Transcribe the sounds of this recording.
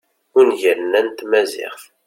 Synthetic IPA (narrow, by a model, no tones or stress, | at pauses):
ʊnʝəɾnænt̪mæzɪ̰χθ